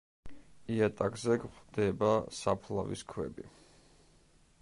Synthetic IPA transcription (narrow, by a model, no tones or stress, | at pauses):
iat̪ʼakzɛɡʁd̪ɛbasapʰlˠavḭskʰwɛ̰bi